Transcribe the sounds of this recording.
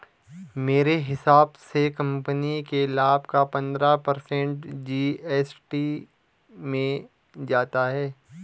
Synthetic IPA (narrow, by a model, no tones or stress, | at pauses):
meːɾeɦɪsaːbsekɐ̃mpənikelaːbkapɐ̃nd̪ɾapɐɾsɛ̃ɳʈd͡ʒiːɛːsʈi | mẽ | d͡ʒaːt̪aɦɛː